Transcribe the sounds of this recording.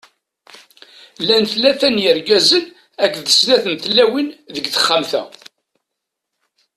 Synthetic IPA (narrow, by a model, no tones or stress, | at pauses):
lænθlæθænjəɾɡæzən | ækːðəsðæθənθlːæwinðəɡθə̥χːamθæ̰